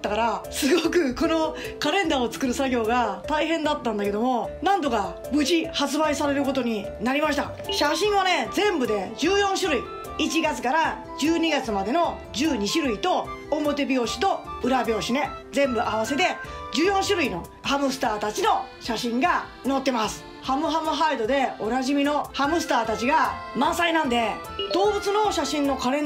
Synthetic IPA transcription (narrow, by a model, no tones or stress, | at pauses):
t̪ːakaɾasɨɡokɯ̟ko̞no̞kaɾẽ̞nd̪aːo̞t͡sɨ̥kɯ̟ɾɯ̟saɡʲo̞ːɡat̪aiɦẽ̞nd̪at̪ːãnd̪aked̪o̞mo̞nãnd̪o̞ka | bɯ̟ʑihat͡sɨbaisaɾe̞ɾɯ̟ko̞t̪o̞ɲ̟i | naɾʲimaɕ̬i̥t̪a̰ | ɕaɕĩɰ̃βane̞d͡zẽ̞mbɯ̟d̪e̞d͡ʑɨːjõ̞ɰ̃ɕɨɾɯ̟i | it͡ɕiɡat͡sɨ̥kaɾa | d͡ʑɨːɲ̟iɡat͡sɨmad̪e̞no̞ | d͡ʑɨːɲ̟iɕɨɾɯ̟it̪o̞ːmo̞t̪e̞bʲjo̞ːɕi̥t̪o̞ɯ̟ɾabʲo̞ːɕine̞d͡zẽ̞mbɯ̟ʔaβ̞ase̞t̪e̞d͡ʑɨːjõ̞ɰ̃ɕɨɾɯ̟ino̞̰ | hamɯ̟sɨ̥t̪aːt̪at͡ɕino̞ | ɕaɕĩŋɡa | no̞t̪ːe̞masɨ̥ | hamɯ̟ɦamɯ̟ɦaɾid̪o̞d̪e̞onaʑimʲino̞hamɯ̟sɨ̥t̪aːt̪at͡ɕiɡamãɰ̃sainãnd̪e̞d̪o̞ːbɯ̟t͡sɨno̞ɕaɕĩnːo̞kaɾẽ̞